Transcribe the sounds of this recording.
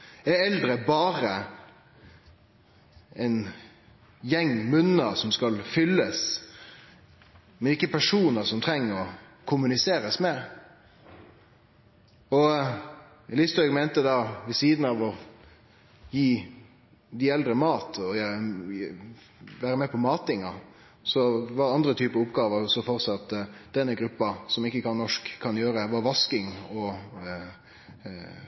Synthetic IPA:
ɛɛld̪ɾəbɑːɾə | ɛɪn | jɛŋːmʉnəsɔmskɑlfʏlːəs | mɛnɪkːəpʰæʂuːnəɾsɔmt̪ʰʁɛŋːəɾɔ | kʰʊmʉnɪseːɾəsmɛ | ɔ | lɪst̪ɔʏɡmɛɪnt̪əd̪ɑʋɪsiːd̪n̩ɑʋɔ | jiː | d̪iɛld̪ɾəmɑːt̪ʰɔ | ʋæːɾəmɛpʰɔmɑːt̪ɪŋɑ | sɔʋɑɾɑnd̪ɾət̪ʰyːpəʊpːɡɑːʋəsɔfɔɾt̪sɑt̪ːd̪ɛnːəɡɾʉpːɑsɔmɪkːəkʰɑnnːɔʂkkʰːɑnjøːɾəʋɑʋɑskɪŋɔ

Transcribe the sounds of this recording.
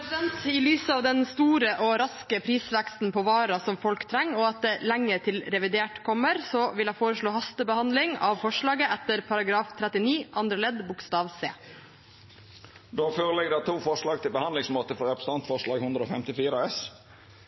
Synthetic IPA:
d̪ɛnt̪ɪlyːsəɑːʋd̪ɛnst̪uːɾəʔɔɾɑskəpʰɾiːsʋɛkst̪n̩pʰɔʋɑːɾɑsɔmfɔlkt̪ʰɾɛŋːɔɑt̪̚d̪ɛlæŋːət̪ʰɪlɾɛʋɪd̪eːʈkʰɔmːəɾsɔʋɪlhɑfoːɾəʂɭoːhɑst̪əbəhɑnd̪lɪŋɑ̰ʋfɔʂɭɑːɡəʔæt̪ːəɾpʰɑɾɑɡɾɑːft̪ʰɾɛt̪ːɪniːʔɑnd̪ɾəlɛd̪bʊkst̪ɑːʋsḛː | d̪oːføːɾəlɛɡd̪ɛt̪ʰuːfɔʂɭɑːɡ̚t̪ʰɪlbəhɑnd̪lɪŋsmoːt̪əfɔɾɛpʰɾəs̩ɑnt̪fɔʁʂɭɑːɡhʉnd̪ɾəoːfɛmt̪ɪfiːɾəɛs

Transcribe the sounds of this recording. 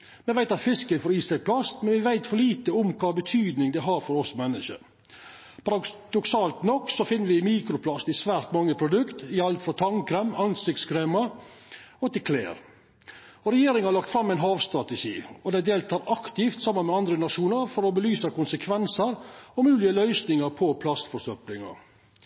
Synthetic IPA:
mɛʋæɪt̪ɑt̪fɪskənfɔɾiːsɛɡ̚pʰlɑsmɛnʋɪʋæɪt̪fɔɾɭiːt̪əʊmkʰɑːbət̪ʰyːd̪nɪŋd̪ɛɦɑːɾfɔɾɔsmɛnːəʂə̰ɾ | pʰɑɾɑd̪ɔksɑːlt̪nɔkːsɔfɪnːəɾʋɪmiːkɾʊpʰlɑsɪsʋæːɾt̪mɑŋːəpʰɾʊd̪ʉkt̪ɪɑlt̪fɾɔt̪ʰɑŋkɾɛmɑnsɪk̚t̪skʰɾeːmɑ | ɔt̪ɪlkʰlḛːɾ | ɔɾɛjeːɾɪŋhɑɾɭɑkt̪fɾɑmːæɪnɦɑːʋst̪ɾɑt̪ɛʂiːɔd̪æɪd̪eːlt̪ʰɑːɾɑkt̪ɪft̪sɑmːənmɛɑnd̪ɾənɑʂuːnəɾfɔɾɔbəlyːsɑkʊnsəkʰʋɛnsəɾɔmʉːlɪəlœʏsnɪŋɑɾpʰɔpʰlɑst̪fɔʂœplɪŋɑ̰ɾ

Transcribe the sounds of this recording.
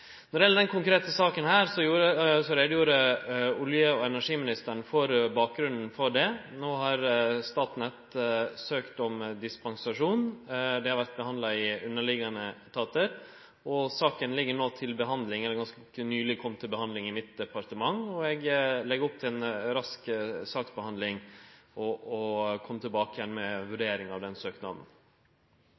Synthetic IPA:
nɔɾɪjɛləɖ̪ɛnkʰʊŋkɾeːt̪əsɑːkənhæːɾsɔjuːɾəsɔɾeːd̪əjuːɾəʊljəɔɛnæʂiːmɪnɪst̪əɳfɔɾbɑːk̚ɡɾʉnd̪n̩fɔɖɛnoːhɑɾst̪ɑːt̪nɛt̪søːkt̪ɔmd̪ɪspɑŋsɑʂuːnd̪ɛhɑɾʋæɾt̪̚bəhɑnd̪lɑɪʉnːəɭɪɡɑnət̪ʰɑːt̪əɾ | ɔsɑːkənlɪɡːəɳoːt̪ʰɪlbəɦɑnd̪lɪŋɛlːəɾɡɑnskəkənyːlɪkʰɔmːt̪ʰɪlbəhɑnd̪lɪŋɪmɪt̪̚d̪ɛpɑɾt̪əmɑŋɔɛɡlɛɡəɾɔp̚t̪ʰɪlɛːnɾɑsksɑːksbəhɑnd̪lɪŋʔɔɔkʰɔmːt̪ʰɪlbɑːkəjɛnmɛʋʉɖeːɾɪŋɑʋd̪ɛnsøːknɑmə̰n

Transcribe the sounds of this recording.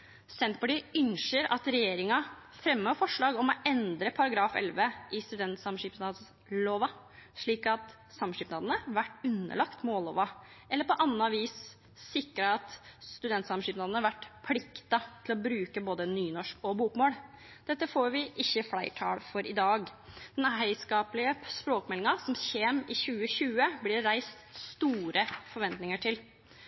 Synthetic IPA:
sɛnt̪pɑʈiːʏnʃəɾɑ̰t̪ɾɛjeːɾɪŋɑ | fɾɛmːøːfɔʂɭɑːɡɔmɔʔɛnd̪ɾəpʰɑɾɑɡɾɑːfɛ̰lʋəʔɪst̪ʉd̪ɛnt̪sɑmʂiːpnɑːd̪ | loːʋɑ | ʂɭiːkɑt̪ | sɑmʂiːpnɑːd̪ənəɾʋæʈːʉnːə̰ɭɑkt̪moːlːo̰ːʋɑ | ʔɛlːəpɔʔɑnːɑɑʋiːs | sɪkɾəɑt̪st̪ʉd̪ɛnt̪sɑmʂiːpnɑːd̪n̩əɑɾʋæʈːpʰlɪkt̪ɑt̪ʰɪlɔbɾʉːkəboːd̪ənyːnɔʂkɔbuːkmoːl | d̪̥ɛt̪ːəfoːɾʋɪʔɪçːəflæɪʈʰɑ̰ːlfɔɾʔɪd̪ɑːɡd̪̥ɛnɦæɪskɑːplɪəspɾoːkmɛlːɪŋɑsɔmɕeːmɪçʉːəçʉːəblɪɾːæɪst̪st̪uːɾʔəfɔɾʋɛnt̪nɪŋəʈʰɪl

